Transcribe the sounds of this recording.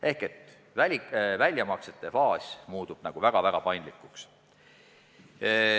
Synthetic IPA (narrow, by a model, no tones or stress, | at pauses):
e̞hke̞t̪ːˑ | vælʲivælʲjɑmɑkset̪ːˑe̞fɑːsʲmuːd̪̥ub̥nɑɡ̥uvæɡ̥ɑvæɡ̥ɑpɑjnd̪likːˑuks